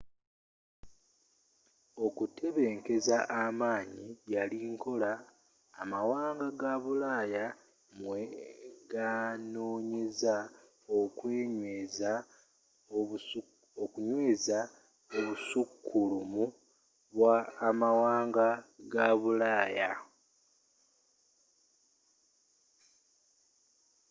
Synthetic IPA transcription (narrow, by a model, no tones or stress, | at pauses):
o̞kutʰe̞βe̞ːŋke̞zaʔamaːɲijaliːŋkʰo̞laː | mawaːŋɡaɡaβulaːja | mweɡano̞ːɲe̞za | okweːɲwe̞ːza | okuɲwe̞ːza | oβusukːulumu | βwaːmawaːŋɡaɡaβulaːja